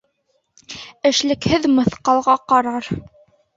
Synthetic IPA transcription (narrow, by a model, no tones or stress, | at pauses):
ɘ̆ʃlɘ̆khɘðmɤ̆θqɑlˠʁɑqɑɾɑɾ